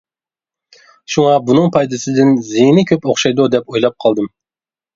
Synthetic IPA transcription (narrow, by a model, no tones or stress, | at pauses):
ʃuŋɑbunɨŋpʰɑjd̪ɨsɨd̪ɪnzijnɪkʲʰøpoχʃɑjd̪ud̪ɛpojlˠɑp̚qʰɑlˠd̪ɨm